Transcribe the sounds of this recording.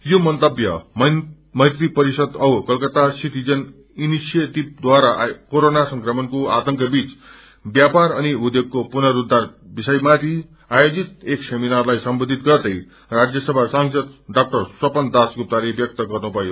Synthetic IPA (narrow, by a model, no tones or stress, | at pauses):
jomʌnt̪ʌbjʌm | mʌjt̪ripʌɾisʌd̪ʌwkʌlkʌt̪asit̪ʰid͡zʌn | inisjet̪ib̚d̪waɾaʔkoɾonasʌŋkrʌmʌnkoat̪ʌŋkʌbit͡s | bjapaɾʌniud̪joɡ̚kːopunʌɾud̪arbisʌjmat̪ʰi | ajod͡zit̪̚ekseminarlajsʌmbod̪ʱit̪̚ɡʌrd̪ʌj | rad͡zjʌsʌbʱasaŋsʌd̪ɖak̚ʈʌrswʌpʌnd̪asɡup̚t̪aɾebjʌk̚t̪ʌɡʌrnupʌjo